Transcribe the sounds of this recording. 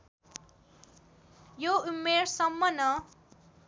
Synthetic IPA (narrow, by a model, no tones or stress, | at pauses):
joumːeɾsʌmːʌnʌ